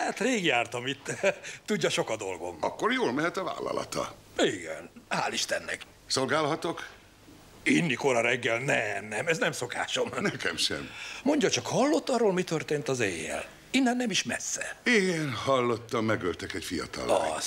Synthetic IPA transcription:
haːt̪reːɡjaːrt̪ɒmit̪ːɛt̪uɟːɒʃo̞kɒd̪o̞lɡo̞̰mɒkːorjoːlmɛɦɛt̪ɒva̰ːlːɒ̰lɒ̰t̪ɒ̰ | iɡɛ̰nhaːliʃt̪ɛnːɛ̰k | solɡaːlɦɒt̪o̞k | inːiko̞ɾɒɾɛɡːɛlnɛmnɛmɛznɛmso̞ka̰ːʃo̞mnɛkɛmʃɛ̰mmo̞ɲɟɒt͡ʃɒkhɒlːo̞t̪ːɒrːoːlmit̪ørt̪eːnt̪ɒzeːjːɛ̰l | inːɛnːɛmiʃmɛ̰sːɛiɡɛnhɒlːo̞t̪ːɒmːɛɡølt̪ɛkɛcfijɒ̰t̪ɒ̰lɒs

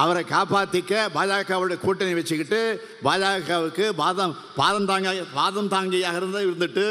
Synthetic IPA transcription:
ʔɐʋɐɾɐkaːpaːt̪ːɪkːɐbaːlaːkːaːʋɯɯɽɐkuːʈːɐnɐɪʋɛt͡ʃːɯkːɪʈːɯ | baːðaːkaʋɯkːɯbaːðɐm | baːðɐmt̪aːŋɡɐbaːðɐmt̪aːŋɡɐjaːɣɐɪɾɯnd̪ɯɪɾɯnd̪ɯʈːɯ

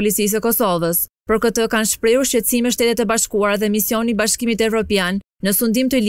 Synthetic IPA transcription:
lit͡sis̬əkɔsɔvəspɔɾkət̪əkanʃpɾɛuɾʃt͡ɕɛt̪simɛʃ̬t̪ɛt̪ɛt̪ɛbaʃkuaɾaðɛmisjɔnibaʃkimit̪ɛvɾɔpjanːəsund̪imt̪əl

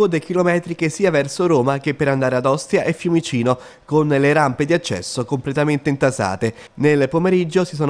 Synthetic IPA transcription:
od̪ek̟ilomɛːt̪ɾik̟esiːavɛrsoɾoːmak̟epːeɾand̪aːɾead̪ɔst̪ɾjaʔefːjumit͡ʃiːno | konleɾamped̪iat͡ʃːɛ̰sːokomplet̪ament̪eint̪asa̰ːt̪e | nelpomeɾid͡ʒːosisɔːn

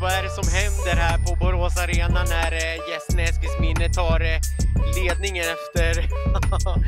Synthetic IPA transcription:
vɑæɖɛsɔmɦɛnd̪əɾɦæːɾpʰɔbʊɾoːsaɾeːnanæɾjɛsnɛskəsmɪnːət̪ʰɑːɾleːd̪nɪŋənɛft̪əɾ

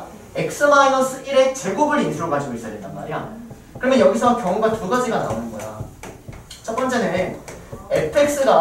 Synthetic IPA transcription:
ek̚s͈ɯmainʌs͈ʰɯiɾe̞t͡ɕe̞ɡobɯɾinsʰuɾobad͡ʑiɡois͈ʌjadet͈anma̰ɾija | kɯɾʌmjʌnjʌɡis̬ʰʌkjʌŋŋɡatuɡad͡ʑiɡana̰nɯnɡʌ̰ja̰ | t͡ɕʰʌt̚p͈ʌnt͡ɕ͈e̞nɯɯnepʰe̞k̚s͈ɯɡa

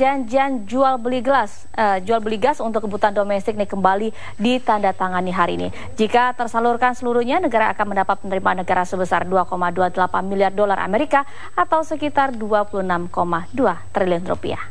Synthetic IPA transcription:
d͡ʒand͡ʒand͡ʒualbəliɡəlas | əd͡ʒualbəliɡasunt̪ʊk̚ːəbut̪andomɛst̪ɪk̚nɪkəmbali | dit̪andat̪aŋaniɦaɾiːnḭ | d͡ʒikat̪ərsalurkansəluɾuhɲanəɡaɾaa̰kanməndapat̪̚pənəɾimanːəɡaɾasəbəsarduakomaduadəlapanmiliardolarʔa̰meɾika | at̪awsəkit̪arduapuluənamkomaduat̪ɾiliɔnɾo̰pḭa̰

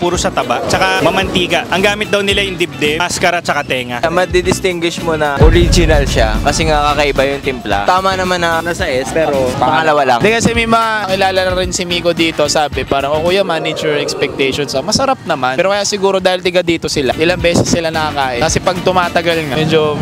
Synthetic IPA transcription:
puːɾosɐt̪ɐbaʔt͡ʃɐkamɐmɐnt̪iːɡɐʔʔɐŋɡaːmɪt̪̚d̪ɐwnɪlajɪŋd̪ɪb̚d̪ɛaskɐɾɐt͡ʃɐkat̪ɛːŋɐmɐd̪ɪd̪ɪst̪ɪŋɡwɪʃmonɐʔoɾid͡ʒɪnɐlʃakɐsɛŋakakɐʔɪbajʊŋt̪ɪmpla̰t̪aːmɐnɐmanɐnɐsɐʔɛspɛːɾopɐpɐŋɐlɐwala̰ŋd̪ɛkɐsɛmɐjmɐŋakɪlaːlɐnɐɾɪnsɪmiːko̞d̪iːt̪o̞saːbɛpaːɾɐŋokojɐmanid͡ʒɛɹɛkspɛk̚t̪ɛjʃonsɐmɐsɐɾap̚nɐmanɛːɾo̞kɐjasɪɡuːɾo̞d̪aːhɪlt̪ɪɡad̪iːt̪o̞sɪlaʔɪlaŋbɛːsɛsːɪlanɐkɐkaːʔɪkɐsɛpɐɡ̚t̪ʊmaːt̪ɐɡalŋamɛːd͡ʒo

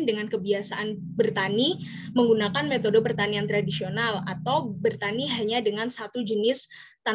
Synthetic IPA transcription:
ndəŋankəbiasaʔan | bərt̪ani | məŋɡunakanmet̪odopərt̪aniant̪ɾadisionalat̪awbərt̪aniɦaɲadəŋansat̪ud͡ʒənɪs | t̪a

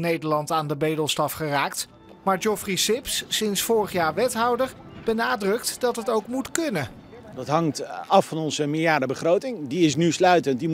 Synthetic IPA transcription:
nejdəɹlɑntaːndəbejdəlˠstɑfχəraːk̚t | maːɹd͡ʒɔfrisɪpsːɪnsfʊːɹəχjaːɹʋɛtɦɑwdəɹ | b̥ənaːdrɵktdɑtɦətowkmutkɵnə | dɑtɦɑŋtɑfːɑnɔnzəmɪlˠijaːdəbəχrowtɪŋdiɪsnyslœɥtəntdi

